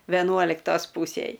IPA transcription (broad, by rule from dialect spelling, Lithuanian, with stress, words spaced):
ʋʲɛˈnuɔlʲɪktoːs ˈpuːsʲeːj